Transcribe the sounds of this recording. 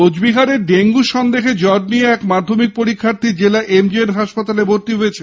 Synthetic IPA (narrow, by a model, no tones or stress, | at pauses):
od͡ʑbiɦaɾeɾɖeŋɡuʃɔnd̪exed͡ʑɔɖ̚nijeɛkmad̪ʱːomik̚poɾikʰːaɾt̪id͡ʑelaʔʔemd͡ʑienɦaʃpat̪alebʱoɾt̪iɦojet͡ɕʰe